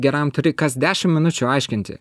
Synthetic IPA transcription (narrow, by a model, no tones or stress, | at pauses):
ɡʲɛɾɐmt̪ʊɾʲɪkɐsd̪ʲæːʃʲɪmmʲɪnʊt͡ʃʲʊːɐˑɪʃʲkʲɪnʲt̪ʲɪ̰